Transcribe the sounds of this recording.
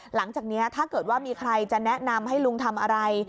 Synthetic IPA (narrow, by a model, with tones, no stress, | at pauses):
la˩˦ŋt͡ɕaː˨˩k̚ni˦˥ɐt̪ʰaː˥˩kɤː˨˩t̪̚waː˥˩miː˧kʰɾa˧jt͡ɕa˨˩nɛ˦˥na˧mɦa˥˩jlu˧ŋt̪ʰa˧mʔa˧ɾa˧j